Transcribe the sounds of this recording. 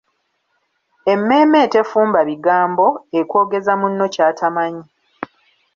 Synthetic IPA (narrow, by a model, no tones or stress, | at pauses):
e̞mːe̞ːme̞ːte̞fuːmbaβiɡaːmbo̞ekwo̞ːɡe̞zamunːo̞caːtʰamaɲi